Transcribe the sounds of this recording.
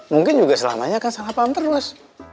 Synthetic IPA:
muŋkɪnd͡ʒuɡasəla̰maɲaːkansaŋapaamt̪əɾuas

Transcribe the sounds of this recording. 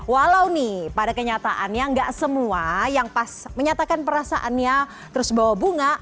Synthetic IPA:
walawnɪpadakəɲat̪aʔanɲaŋɡaʔsəmuajaŋpasməɲat̪akanpəɾasa̰ʔanɲa | t̪əɾʊsbawabuŋa

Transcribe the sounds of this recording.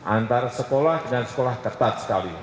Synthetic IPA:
ʔant̪aɾasəkolahd̪̥əŋansə̥kolaht̪ət̪at̪̚sə̥kali

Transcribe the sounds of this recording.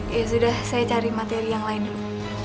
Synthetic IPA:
asudahsajat͡ʃaɾimat̪eɾijaŋlaɪndu

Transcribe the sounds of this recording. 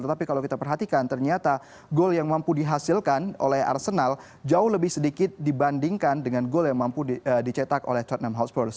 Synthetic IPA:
t̪ət̪apikalawkit̪apərɦat̪ikant̪ərɲat̪a | ɡoljaŋmampudiɦasilkanʔo̰lɛha̰rsənal | d͡ʒaʊhləbɪhsədikɪt̪̚dibandiŋkandəŋanɡoljaŋmampudit͡ʃet̪ako̰lɛht̪at̪̚namɦat̪sfɔrs

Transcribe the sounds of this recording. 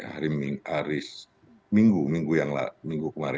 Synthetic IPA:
ha̰ɾimiaɾɪs | miŋɡumiŋɡujaŋla̰miŋɡukəmaɾ

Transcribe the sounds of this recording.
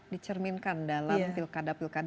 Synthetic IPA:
dit͡ʃərminkandalamfilkadapilkad

